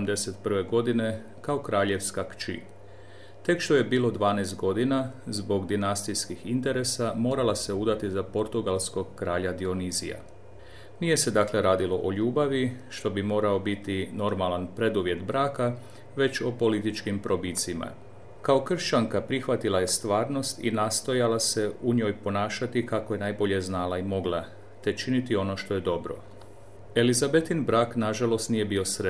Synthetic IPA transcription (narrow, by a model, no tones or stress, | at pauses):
md̪eset̪prʋe̞ɡo̞d̪ine̞ | kao̞kɾaːʎe̞ʋskakt͡ʃḭ | t̪e̞kʃt̪o̞je̞biːlo̞d̪ʋaːnest̪̚ɡo̞d̪inazbo̞ɡd̪inast̪ijskixint̪e̞ɾe̞samo̞ːɾalase̞ud̪at̪izapo̞ɾt̪uɡalˠsko̞ɡkːɾaːʎad̪io̞nizḭja̰ | nije̞se̞d̪akle̞ɾaːd̪ilo̞ʔoʎuːbaʋiʃt̪o̞bimo̞ːɾao̞bit̪ino̞ɾmalanpɾe̞d̪uʋje̞t̪bɾaːka | ʋe̞t͡ɕo̞po̞lit̪it͡ʃkimpɾo̞bit̪sima̰ | kaokr̩ʃt͡ʃaŋkapɾixʋat̪ilaje̞st̪ʋaːɾno̞st̪ḭnaːst̪o̞jalase̞uɲo̞ːjpo̞naːʃat̪ikako̞je̞najbo̞ʎe̞znaːlˠaimo̞ɡlˠa | t̪e̞t͡ʃinit̪io̞no̞ʃt̪o̞je̞d̪o̞bɾo̞̰ | elizabet̪inbɾaːknaʒalˠo̞st̪nije̞bio̞sɾe